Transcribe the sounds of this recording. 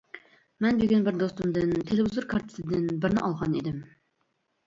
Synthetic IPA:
mɛnbeɡʲɛnbɪɾd̪ost̪umd̪ɨnt̪ʰelɪvɪzuɾkʰɑɾt̪ʰɪ̥t̪ʰɪd̪ɪnbɪɾnɪʔɑlˠʁɑnid̪ɪm

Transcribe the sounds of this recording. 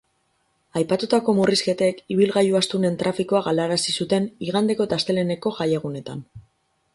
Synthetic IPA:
ajpat̪ut̪ako̞muriske̞t̪ekiβ̞ilɣajuast̪une̞nt̪ɾafikoaɣalaɾasisut̪e̞niɣ̞and̪e̞ko̞t̪ast̪e̞le̞ne̞ko̞ʝajeɣ̞une̞t̪a̰n

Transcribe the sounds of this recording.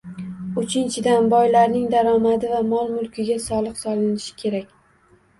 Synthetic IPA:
ʊt͡ʃʰɪnt͡ʃʰɪd̪anbɒjlaɾnɪŋd̪aɾɒmad̪ɪvamɒlˠmʊlˠkʲɪɡʲasɒlˠɨqsɒlˠɪnɪʃɪ̥kʲʰe̞ɾak̚ʲ

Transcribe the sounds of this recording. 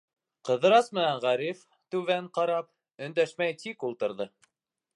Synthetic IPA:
qɤ̆ðɤ̆ɾɑsmɘ̆nænʁæɾif | t̪ʉvæɴqɑɾɑp̚ | ɵ̆nd̪æʃmæjt̪ikulˠt̪ɤ̆ɾðɤ

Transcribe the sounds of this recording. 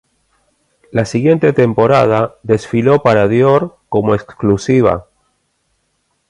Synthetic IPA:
lasiɣje̞nt̪e̞t̪e̞mpo̞ɾað̞aðe̞sfilo̞paɾaðjoɾko̞moeksklusiβ̞a̰

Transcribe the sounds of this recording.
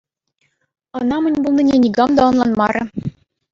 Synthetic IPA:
ɤ̆nɑmɘ̆nʲbulˠninʲenʲiɡɑmd̪ɑɤ̆nlˠɑnmɑɾɤ̆

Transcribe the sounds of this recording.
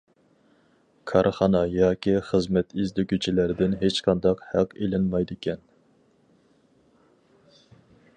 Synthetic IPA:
kʰɑɾχɑnɑjɑːkʲiχəzmɛt̪ʰizd̪ykʲyt͡ʃʰilæɾd̪ɪnɦet͡ʃqʰɑnd̪ɑqhæqelɪnmɑjd̪ɪkʲʰɛn

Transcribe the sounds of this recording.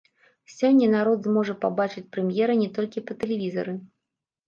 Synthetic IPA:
sʲɔnʲːɐnaɾɔd̪zmɔʐɐpabat͡ʂɨt͡sʲpɾɛmjɛɾɐnʲɛt̪ɔlʲkʲipɐt̪ɛlʲɛvʲizɐ̰ɾɨ

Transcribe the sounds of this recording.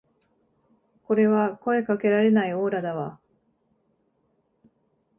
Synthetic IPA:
ko̞ɾe̞βako̞e̞kake̞ɾaɾe̞naio̞ːɾad̪aβa

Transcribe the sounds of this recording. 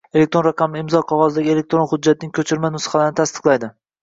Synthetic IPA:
e̞lek̚ʲt̪ɾo̞nɾaqʰɑmɪɪmzɒqʰɒʁɒzd̪aɡʲɪe̞le̞k̚t̪ɾo̞nχʊd͡ʒːat̪̚nɪŋkʲʰɵt͡ʃʰɪɾmanʊsχɑlaɾnɪt̪ʰast̪ɨ̥qlˠajd̪ɪ

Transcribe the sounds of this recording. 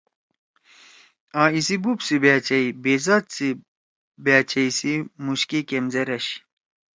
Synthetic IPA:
ãːisibupsibaːt͡ɕɐibezat̪t͡si | baːt͡ɕɐisimuɕkikemzeɾɐɕ

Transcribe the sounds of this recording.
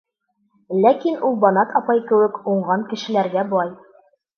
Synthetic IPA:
lækinulˠbɒnɑqɒpɑjkɘ̆wɘkuɴɢɑŋkɘ̆ʃɘ̆læɾɡæbŏlˠɑj

